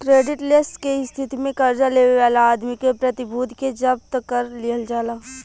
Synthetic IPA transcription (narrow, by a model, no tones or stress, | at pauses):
kɾeːɖɪʈlɪsʈkeɪst̪ʰɪt̪imẽkɐɾd͡ʒaleːʋeʋaːlaːd̪mikepɾɐt̪ɪbʱuːd̪ʱked͡ʒɐp̚t̪kəɾliəld͡ʒaːlaː